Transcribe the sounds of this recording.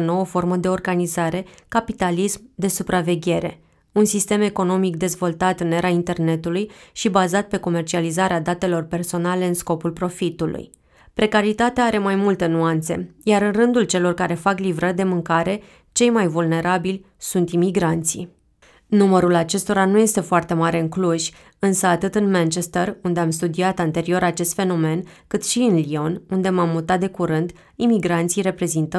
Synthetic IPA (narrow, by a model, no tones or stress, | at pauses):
əno̞wəfo̞rməd̪e̞o̞rɡanizaɾe̞kapit̪alismd̪e̞supɾave̞ɡʲe̞ɾe̞̰ | unsist̪e̞me̞ko̞no̞mikd̪e̞zvo̞lt̪at̪ɨneɾaint̪e̞rne̞t̪ulujʃibazat̪̚pe̞ko̞me̞rt͡ʃializaɾead̪at̪e̞lo̞rpe̞rso̞nale̞ɨnsko̞pulpɾo̞fit̪ulṵj | pɾe̞kaɾit̪at̪eaaɾe̞majmult̪ənuant̪se̞̰jaɾɨnrɨnd̪ult͡ʃe̞lo̞rkaɾe̞faklivɾərʲd̪e̞mɨŋkaɾe̞ | t͡ʃe̞jmajvulne̞ɾabilʲ | sunt̪imiɡɾant̪sḭ | numəɾulat͡ʃe̞st̪o̞ɾanuje̞st̪e̞foart̪e̞maɾe̞ɨŋkluʒʲ | ɨnsəat̪ɨt̪ɨnmant͡ʃe̞st̪erund̪e̞amst̪ud̪iat̪ant̪e̞ɾio̞ɾat͡ʃe̞st̪fe̞no̞me̞nkɨt̪ʃiɨnlio̞nund̪e̞mamːut̪at̪d̪ekuɾɨnd̪ | imiɡɾant̪sijɾe̞pɾe̞zint̪ə